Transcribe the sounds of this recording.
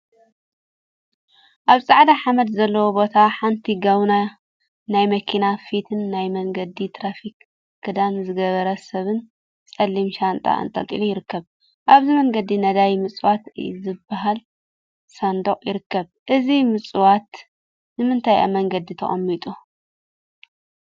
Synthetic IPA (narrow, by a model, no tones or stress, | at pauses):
ʔaβsʼaʕd̪aħamɐd̪zɐlːɐwobo̞t̪ʰaħant̪ʰiɡɐβna | najmɐkʰinafit̪ʰɨnːajmɐŋɡɐd̪it̪ʰɾafik | kːɨd̪amzɨɡɐβɐɾɐsɐβɨn | t͡sʼɐlːimʃant̪ʼa̰ʔɨ̰nt̪ʼɐ̰t̪ʼḭlujɪɾɨkːɐβ | ʔaβzimɐŋɡɐd̪inɐd̪ajmɨt͡sʼɨwat̪zɨbːaɦal | sand̪oχʼjɪɾɨkːɐβ | ʔɨzimɨt͡sʼɨwat̪ | nɨmɨnt̪ʰajʔa̰mɐŋɡɐd̪it̪ʰɐχʼɐ̰mːit̪ʼu